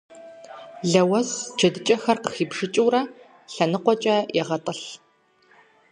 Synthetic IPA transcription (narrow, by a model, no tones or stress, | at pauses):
ɮɐwɐst͡ʃʰɐdɨt͡ʃʼɐxɐrqəxiːbʐɨt͡ʃʼɨwrɐ | ɬɐnɨqʷɔt͡ʃʼɐjɛʁɐtʼɐɬ